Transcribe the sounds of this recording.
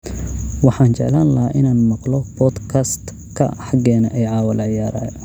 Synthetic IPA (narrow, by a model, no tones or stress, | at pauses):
wɑħɑːnt͡ʃɛ̰ʕlaːnlɐɦaːʔɪnaːnmɑqlɔbɔːd̪kʰɐst̪ | kʰɐ̰ħɑɡɛːnɐʔɛjʕɑːwɐlʕɪjaːɾa̰ː